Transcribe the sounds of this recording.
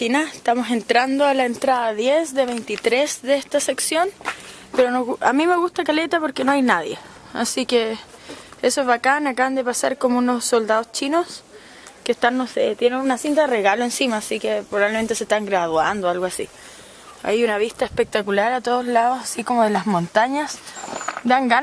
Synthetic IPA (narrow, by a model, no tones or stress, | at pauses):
t̪inaeht̪amo̞se̞nt̪ɾand̪oalaent̪ɾaðaðjesd̪e̞βejnt̪it̪ɾesd̪eest̪ase̞ksjo̞n | peɾonoa̰mime̞ɣust̪akalet̪apoɾkenoajnaðje | a̰sike | esozβakanakaβand̪e̞pasaɾkomounosːo̞ld̪aðost͡ʃinos | kest̪anːo̞set̪jenenunasint̪aðereɣaloensimaːsikepɾoβaβleme̞nt̪eset̪aŋɡɾaðwa̰nd̪oalɣoasḭ | a̰junaβist̪aespek̚t̪akulaɾat̪oð̞ozlaðosasikomoðe̞lazmo̞nt̪aɲasd̪aŋɡan